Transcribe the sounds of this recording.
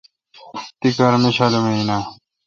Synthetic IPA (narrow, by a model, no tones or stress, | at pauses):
t̪ikɐɾmiɕalomeina